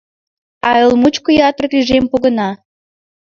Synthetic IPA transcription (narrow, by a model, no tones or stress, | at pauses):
ɑelmut͡ɕkojɑt̪rɤ̆kiʒempoɣə̆nɑ